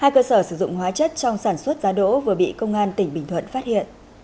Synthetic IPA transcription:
haː˧jkəː˧səː˧˩sɨ˧˩zʊ̰˧˨ŋ͡mhwaː˨˦t͡ɕə˦˥t̚t͡ɕɔ˧wŋ͡msaː˧˩nswə˦˥t̚zaː˨˦ɗo̰˧˥vɨ˨˩əɓḭ˧˨kə˧wŋ͡mʔaː˧nt̪ï˧˩ŋ̟ɓï˨˩ŋ̟t̪ʰwə̰˧˨nfaː˦˥t̚hḭ˧˨ənʔ

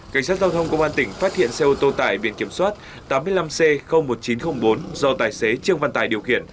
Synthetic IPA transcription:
ka˧˩jŋ̟saː˦˥t̚za˧wt̪ʰə˧wŋ͡mkə˧wŋ͡mʔaː˧nt̪ï˧˩ŋ̟faː˦˥t̚hḭ˧˨ənsɛ˧ʔo˧t̪o˧t̪a̰ː˧˩jɓḭ˧˨ənki˧˩əmswaː˦˥t̚ | t̪aː˨˦mːɨ˧əjla˧msɛ˧xə˧wŋ͡mmo˨˩t̚t͡ɕi˨˦nxə˧wŋ͡mɓo˨˦nzɔ˧t̪aː˨˩jse˨˦t͡ɕɨ˧əŋva˧nt̪aː˧˩jɗi˨˩əwxḭ˧˨ən

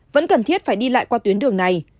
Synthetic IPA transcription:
və̰˧˥nkə˨˩nt̪ʰi˦˥ət̚faː˧˩jɗi˧la̰ː˧˨jkwaː˧t̪wi˨˦ənɗɨ˨˩əŋna˨˩j

